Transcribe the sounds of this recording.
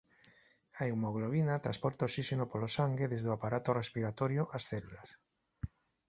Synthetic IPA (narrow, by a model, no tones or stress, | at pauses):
aewmoɣloβinat̪ɾaspoɾt̪aosisenopolosaŋɡeðezðoapaɾat̪orespiɾat̪oɾjoʔasθelulas